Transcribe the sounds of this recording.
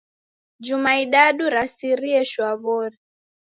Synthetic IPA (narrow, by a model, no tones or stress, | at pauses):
d͡ʒumaiɗaɗuɾasiɾiɛʃwaβɔɾɛ